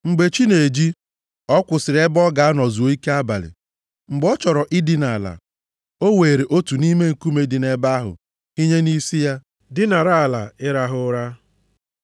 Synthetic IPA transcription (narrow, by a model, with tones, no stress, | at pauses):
ŋ͡m̩˨ɡ͡be˨t͡ʃi˦ne˨d͡ʒi˦ | ɔ˦kʷʊ˨sɪ˨ɾe˦bɔ˦ɡa˨a˦nɔ˨zu˨o˦i˦ke˦a˦ba̰˨lɪ̰˨ | ŋ͡m̩˨ɡ͡bɔ˦t͡ʃɔ˨ɾɔ˨ʔɪ˦di˦na˨a˨la̰˨ | o˦we˨ɾe˨ʔo˦tu˨ni˦me˦ŋ̩˨ku˦me˦dɪ˨ne˨ba˦ɦʊ̰˨ | ɦi˦ɲe˦ni˦si˦ja˦ | dɪ˦na˨ɾa˦˨la˨ɪ˦ɾa˨ɦʊ˦ɾa˦